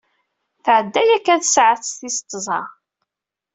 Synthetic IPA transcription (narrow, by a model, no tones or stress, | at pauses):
θʕəd̪ːæjækːæθəsʕəθsθist̪ˤːzˤɑ